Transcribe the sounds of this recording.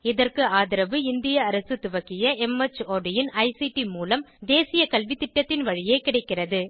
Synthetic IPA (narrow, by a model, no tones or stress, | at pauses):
ɪðɐrkɯaːðɪɾɐʋɯɪnd̪ɪjɐːɾɐsɯt̪ʊʋɐkːɪjɐʔɛmɐt͡ʃoːɖɪjɪnɐɪsiʈimuːlɐmd̪eːsɪjɐkɐlʋɪt̪ːɪʈːɐt̪ːɪnʋɐɻɪjeːkɪɽɐɪkːɪrɐðɯ